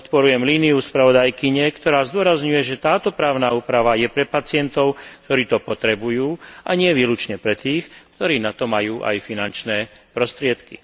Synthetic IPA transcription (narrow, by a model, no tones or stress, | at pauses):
pɔt̪pɔɾujɛmliːniuspɾaʋɔd̪ajkiɲɛkt̪ɔɾaːzd̪ʊɔɾazɲujɛʒɛt̪aːt̪ɔpɾaːʊnaːuːpɾaʋajɛpɾɛpat͡sɪɛnt̪ɔʊkt̪ɔɾiːt̪ɔpɔt̪ɾɛbujuːʔa̰ɲɪɛʋiːlut͡ʃɲɛpɾɛt̪iːxkt̪ɔɾiːnat̪ɔmajuːʔa̰jfinant͡ʃnɛːpɾɔst̪ɾɪɛt̪kḭ